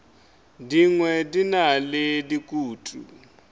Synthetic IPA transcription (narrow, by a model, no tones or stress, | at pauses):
diŋwɛdinaledikʼuːtʼṵ